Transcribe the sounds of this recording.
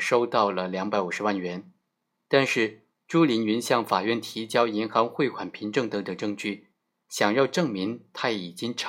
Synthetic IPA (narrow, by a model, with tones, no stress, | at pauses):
ʂo˥ʊt̪ɑ˥˩ʊlə˩ljɑ˧˥ŋpa˨˧˥ɪu˨˩ʂɻ̩˧˥wa˥˩nɥɛ˧˥n | t̪a˥˧nʂɻ̩˥˩ | ʈ͡ʂu˥li˧˥ny˧˥nɕjɑ˥˩ŋfa˨˩ɥɛ˥˩nt̪ʰi˧˥t͡ɕjɑ˥ʊi˧˥nxɑ˧˥ŋxwe˥˩ɪkʰwa˨˩npʰi˧˥ŋʈ͡ʂɤ˥˩ŋt̪ɤ˧˥ŋt̪ə˨˩ŋʈ͡ʂɤ˥˧ŋt͡ɕy˥˩ | ɕjɑ˨˩ŋjɑ˥˧ʊʈ͡ʂɤ˥˩ŋmi˧˥ŋt̪ʰa˥i˨˩t͡ɕi˥ŋʈ͡ʂʰ